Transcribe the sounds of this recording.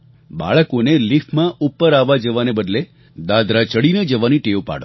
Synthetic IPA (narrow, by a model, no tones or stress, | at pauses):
ba̰ɭəkonelifʰmãʔupːəɾaʋad͡ʒəʋanebəd̪le | d̪ad̪ɾat͡ʃəɽined͡ʒəʋaniʈeʋwpa̰ɽo̰